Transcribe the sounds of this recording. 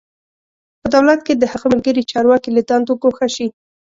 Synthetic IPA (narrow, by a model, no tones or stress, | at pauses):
pəd̪awlat̪ked̪əhaɣəməlɡəɾit͡ʃɑɾwɑkilad̪ɑnd̪okoxaʃi